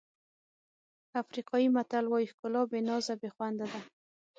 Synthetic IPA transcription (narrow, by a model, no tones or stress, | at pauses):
afɾiqɑjimat̪alwɑjihkʊlɑbɪnɑzabexwand̪ad̪a